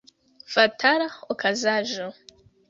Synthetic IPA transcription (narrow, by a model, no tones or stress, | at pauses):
fatʰaɾaχokʰazaʒo